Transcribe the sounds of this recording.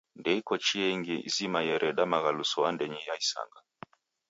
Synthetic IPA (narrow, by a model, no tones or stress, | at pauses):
ndɛikɔt͡ʃiɛŋɡiḭzimajɛɾɛɗamaɣalusɔandɛɲɛjaisa̰ŋɡa